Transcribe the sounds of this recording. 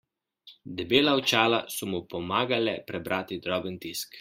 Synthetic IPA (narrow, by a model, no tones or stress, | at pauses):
d̪ɛbeːlaɔt͡ʃaːlasɔmupɔmaːɡalɛpɾɛbɾʔaːt̪id̪ɾɔbənt̪isk